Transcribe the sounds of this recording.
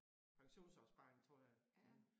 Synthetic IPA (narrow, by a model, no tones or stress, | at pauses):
pʰɑ̈ŋɕo̝̰ːnsɒsb̥ɑ̈ŋt͡sʰʁɔ̰ːja